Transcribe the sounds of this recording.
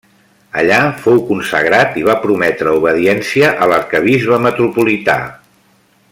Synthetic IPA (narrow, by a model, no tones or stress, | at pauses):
ə̰ʎafowkunsə̰ɣ̞ɾat̪iβ̞apɾumɛt̪ɾəuβ̞əðiɛnsiəʔələɾkəβ̞izβəmət̪ɾupulit̪a̰